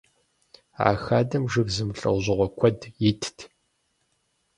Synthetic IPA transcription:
a̰ːxaːdɐmʒɨɣzɨmɬʼɐ̰wʑɨʁʷɔkʷʰɔdjɪtʰtʰ

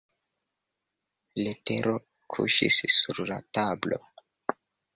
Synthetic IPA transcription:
lete̞ɾo̞ | kʰṵʃḭsːuɾlatablo̞̰

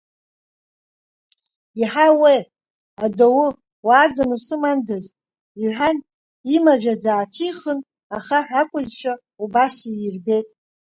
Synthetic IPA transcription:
iħawe | adowu | waːɡanusɨmandɨz | iħᶣan | imaʒᶣad͡zaːtʰiχən | aχaħʷᶣakʷʼʊzʃʷʰa | ubasijirbe̞jtʼ

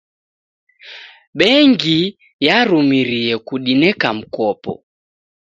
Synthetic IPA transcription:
ɓɛŋɡi | jaɾumiɾiɛkuɗinɛkam̩kɔpɔ̰

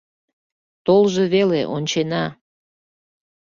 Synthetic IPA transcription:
t̪olʒe̽βeleʔont͡ɕenɑ

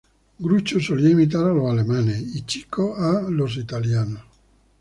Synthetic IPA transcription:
ɡɾut͡ʃosoliaimit̪̬aɾaloalemaneit͡ʃi̥kʰoalos̬it̪aljano

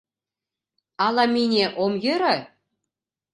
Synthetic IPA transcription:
ɑlˠɑmʲinʲeʔomjɘ̆ɾɘ̆

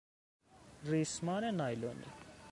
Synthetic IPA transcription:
rismanɛnajlonḭ

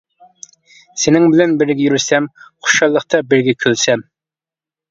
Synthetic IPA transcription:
senɪŋbɪlɛnbɪɾɡʲɛjyɾsɛmχʊ̥ʃɑlˠːəχt̪ʰɑbɪɾɡʲɛkʲʰølsɛm

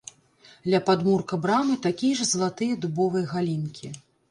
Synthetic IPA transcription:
d̪lʲɐpad̪murkɐbɾamɨt̪akʲijɐʐɐzɐlˠat̪ɨjɐd̪ubɔvɐjɐɣalʲinkʲi

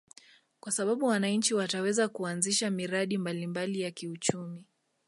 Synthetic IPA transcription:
kwasaɓaɓuwanaɲ̩t͡ʃiwatawɛzakuanziʃamiɾaɗimbalimbalijakiut͡ʃumi

